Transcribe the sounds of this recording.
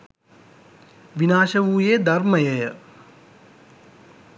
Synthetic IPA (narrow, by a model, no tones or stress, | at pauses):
ʋinaːʃəʋuːjed̪ɐrməjəjə